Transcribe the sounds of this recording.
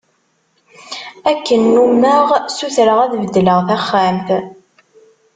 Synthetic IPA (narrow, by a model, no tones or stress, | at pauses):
ækːənːumːəʁsuθɾəʁæðvəd̪ːləʁθæχːæmθ